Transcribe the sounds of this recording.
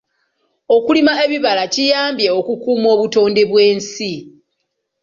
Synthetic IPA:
o̞kulimae̞βiβalacijaːmbje̞okukuːmo̞ːβuto̞ːnde̞βwe̞ːnsi

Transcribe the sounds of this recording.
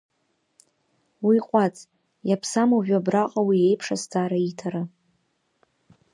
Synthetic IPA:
wiqʷʼat͡sʼ | japʰsamaʒᶣʷabraqʼawie̞jpʰʂasd͡zaːɾaitʰaɾɨ

